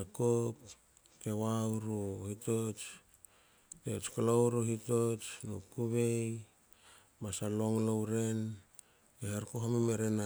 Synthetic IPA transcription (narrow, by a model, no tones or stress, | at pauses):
akop | kewawɾuhitot͡ʃ | ket͡ʃkolowɾuɦitot͡ʃnokuβe̞j | masaloŋlowɾe̞n | ehaɾkoɦomimeɾena